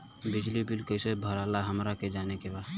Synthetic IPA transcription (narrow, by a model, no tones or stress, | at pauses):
bɪd͡ʒlibɪlkəɪsebʱəɾaːlaɦəmɾaked͡ʒaːnekebaː